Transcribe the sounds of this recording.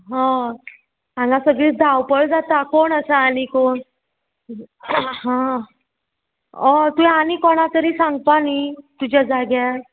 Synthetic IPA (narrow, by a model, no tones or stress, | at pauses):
ɦã | ãŋɡasəɡɭiːt͡sd̪ʱawpəɭd͡zat̪akoɳəsaːnikoɳ | ɦã | ɔ̃t̪ujanikɔɳ̃at̪əɾiːsãŋɡ̚panit̪ud͡ʑad͡zaɡja